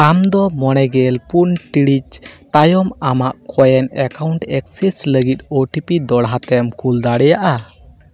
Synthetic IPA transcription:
amd̪ɔmɔñɛɡɛlpunʈiɽit͡ʃt̪ajɔmamaʔkʰɔjɛnɛkawɳʈɛk̚sɛsləɡit̪̚oʈipid̪ɔɽɦat̪ɛmkuld̪aɽɛjaʔa

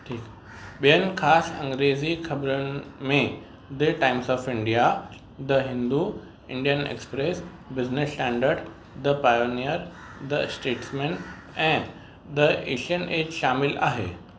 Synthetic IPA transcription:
ʈʰiːk | ɓijənkʰaːsɐ̃ŋɡɾeːd͡ʑikʰɐbɾənmẽ | d̪əʈaːɪmsɔːfɪ̃ɳɖija | d̪əɦɪ̃nd̪u | ɪ̰̃ɳɖijənḛkspɾeːs | bɪznɪsʈɛ̃ːɳɖəɾɖ | d̪əpaːjonijəɾ | d̪əsʈeːʈsmẽːn | ɛ̃ː | d̪əḛːʃiəneːd͡ʑʃaːmɪla̰ːɦḛː

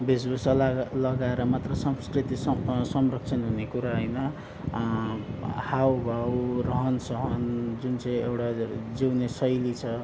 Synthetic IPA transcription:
besbusʌlalʌɡaeɾʌmat̪rʌsʌmskrit̪isʌsʌmrʌk̚t͡sʰʌnɦunekuɾaɦʌjnʌ | hawbʱawrʌɦʌnsʌɦʌnd͡zunt͡sʌ̃ĩewʈad͡ziwnesʌjlit͡sʰʌ

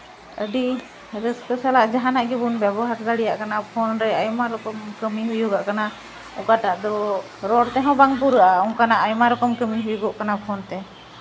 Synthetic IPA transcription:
əɖi | ɾəskəsalaʔd͡ʒaɦanaʔɡɛbunbɛbɔɦaɾd̪aɽijaʔkanapʰɔnɾɛəjmaɾɔkɔmkəmiɦujuɡaʔkana | ɔkaʈaʔd̪ɔ | ɾɔɽt̪ɛɦɔ̃baŋpuɾəʔaɔŋkanaʔajmaɾɔkɔmkəmiɦujuɡɔʔkanapʰɔnt̪ɛ

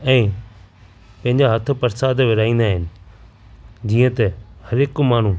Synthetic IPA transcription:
ɛ̃ː | pɐ̃ɦɪ̃ɲ̆d͡ʑaɦɐt̪ʰʊ̆pɐɾsaːd̪ʋɪɾaːĩːn̆d̪aːɦɪnɪ̆ | d͡ʑiːə̃t̪ɛhɐɾɪkmaːɳ̤u

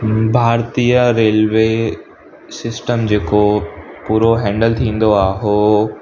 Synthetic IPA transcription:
bʱaːɾt̪iːjəɾeːlʋeː | sɪsʈəmd͡ʑeːkopuːɾoɦɛ̃ːɳɖəlt̪ʰĩːn̆d̪oaːɦoː

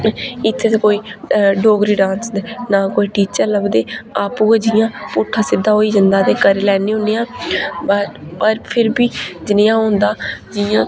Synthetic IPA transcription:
ɪt̪ʰːeːt̪eːkoːiːɖoːɡɾiːɖãːnsd̪eːnaːkoːiːʈiːt͡ʃəɾləbd̪eːaːpuːeːd͡ʒɪjãːpʊʈʰːãːsɪd̪aːɦoːiːd͡ʒɪnd̪aːt̪eːkəɾeːlɛːneːʊ̃neːãː | pəɾpʰɪɾbiːd͡ʒɪnɪjãːɦõːnd̪aːd͡ʒɪjãː

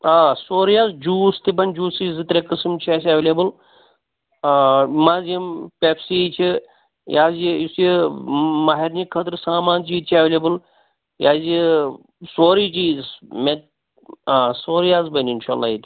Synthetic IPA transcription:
aːsoːɾijaːzd͡ʒuːst̪ibɐnʲd͡ʒuːsizɨt̪ɾekɨsmt͡ʃʰiasʲɐʋelebɨl | maːzimpepsiːt͡ʃʰi | jaːziisji | maɦiɾnikʰɐt̪ɾsaːmaːnt͡ʃiːt̪̚t͡ʃʰiɐʋlʲebɨl | jaːzi | soːɾit͡ʃiːzmet̪ | asoːɾijaːzbɐninʃa̰ːlːa̰ːit̪

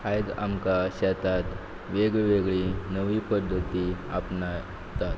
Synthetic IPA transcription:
ajd̪a̰mkaɕɛt̪at̪ | ʋeɡɭʋeɡɭinəʋiːpəd̪ʱːət̪iapna | t̪at̪

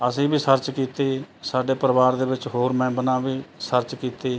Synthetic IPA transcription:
əsĩːbʱiːsəɾt͡ʃkiːt̪eːsaːɖeːpəɾəʋaːɾd̪eːʋɪt͡ʃɦoːɾmɛ̃ːbənãːbiːsəɾt͡ʃkiːt̪eː

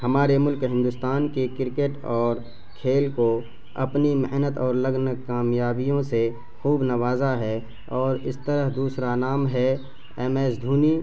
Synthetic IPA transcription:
hɐmaːɾemʊlkɦɪ̃nd̪ʊst̪aːnkekɪɾkeʈɔːɾ | kʰeːlko | ɐ̰pnimɪɦnət̪ɔːɾləɡnkaːmjaːbijõse | xuːbnəʋaːzaɦɛː | ɔːɾɪst̪əɾəɦd̪uːsɾanaːmɦɛ | ɛmɛːsd̪ʱuːniː

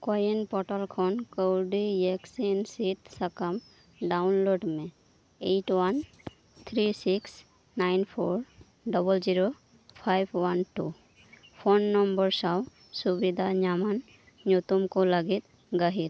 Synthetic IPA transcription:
kojənpɔʈəlkʰonkowɖijɛksinsit̪səkəm | ɖaʊnloɖmẽ | eʈwan | t̪ʰɾisiks | naɪnpʰoɾ | ɖɔbəld͡ʒiɾo | pʰajbwɐnʈu | pʰonːɔmbəɾsaw | subid̪ʱaɲaman | ɲut̪umkoləɡit̪ | ɡəɦit̪

